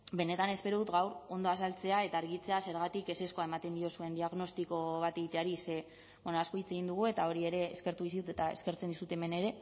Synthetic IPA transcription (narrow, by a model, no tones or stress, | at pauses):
be̞ne̞t̪ane̞spe̞ɾoðut̪ɣawɾo̞nd̪o̞asalt͡se̞ae̞t̪aːɾɣit͡se̞ase̞ɾɣat̪ike̞se̞sko̞aemat̪e̞nd̪io̞sue̞nd̪iaɣno̞st̪iko̞βat̪e̞ɣit̪e̞aɾise̞ | wenoasko̞it͡se̞ɣind̪uɣ̞ue̞t̪ao̞ɾie̞ɾe̞ːske̞ɾt̪uisiut̪et̪ae̞̰ske̞ɾt͡send̪isut̪eme̞ne̞ɾe̞